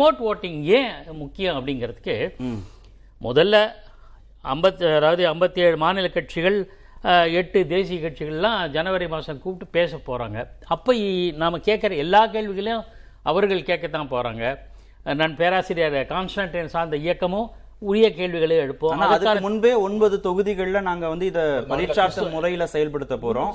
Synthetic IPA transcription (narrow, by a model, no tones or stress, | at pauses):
oːʈʋoːʈːɪŋjẽːmʊkːɪjɐ̃ɐpːɐɽɪŋɡɪɾɐðɯkːɯ | mɔðɐlːɐ | ɐmbɐt̪ːɐðaːʋɐðɯɐmbɐt̪ːieːɻɯmaːnɪlɐkɐʈ̚t͡ʃɪɣɐɭ | ɛʈːɯd̪eːs̬ɪjɐkɐʈ̚t͡ʃɪɣɐɭlãːd͡ʒɐnɐʋɐɾɐɪmaːsɐ̃mkuːʈːɯpeːsɐpːoːɾa̰ːŋɡɐɐpːoinaːmɐkeːʈ̚kɪɾɐɛlːaːk̬eːɻʋɪɣɐɭɐjʊ̃ | ɐʋɐɾɣɐɭkeːʈ̚kːɐt̪ːãːpoːɾa̰ːŋɡɐ | nɐnpeːɾaːsɪɾɪjaːɾɐkaːnsʈaːɳʈɪnsaːnd̪ɐɪjɐkːɐmʊ̃ | ʊɻɪjɐkeːɭʋɪɣɐɭɐɛɽɯpːõːnnaɐðɯɐkðɯkːaːmʊnbeːɔnbɐðɯt̪ɔɣɯðɪɣɐɭɪlɐnaːŋɡɐʋɐnd̪ɯɪðɐpɐɾɪɾt͡ʃaːɾt̪ɐmʊrɐjɪlɐsɛjɐlpɐɽɯt̪ːɐpːoːɾõː